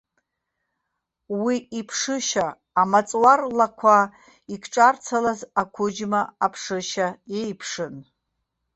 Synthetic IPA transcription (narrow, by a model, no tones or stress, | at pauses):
wiipʰʂɨʃaː | mat͡sʼwarlakʷʰa | ikʰʈ͡ʂʼart͡sʰalazakʷʰʊd͡ʒmaapʰʂɨʃajejpʰʂɨn